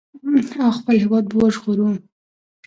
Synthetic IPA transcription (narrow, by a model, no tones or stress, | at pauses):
awxpəlɦɪwɑd̪̚bwoʒɣoɾum